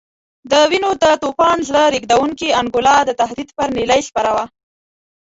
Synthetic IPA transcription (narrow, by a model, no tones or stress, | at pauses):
d̪əwinod̪ət̪opɑnzləɾiɡd̪awuŋkiaŋɡʊlɑd̪ət̪aɦd̪id̪pəɾnilajxpaɾawa